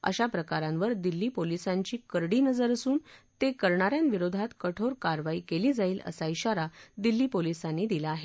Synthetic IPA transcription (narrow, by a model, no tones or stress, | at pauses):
ə̰ɕapɾəkaɾãmʋəɾd̪ilːiːpolisãɲt͡ɕiːkəɾɽiːnəd͡zəɾəsuːnt̪ekəɾɳaɾjanʋiɾod̪ʱat̪kəʈʰoɾkaɾʋaiːkeliːd͡zaiːlə̰saiɕaɾad̪ilːiːpolisanːid̪ilaːɦe